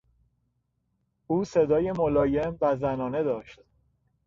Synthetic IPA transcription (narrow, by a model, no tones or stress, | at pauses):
ʔuːse̞d̪ɒːje̞molɒːje̞mvæzænɒːne̞d̪ɒːʃt̪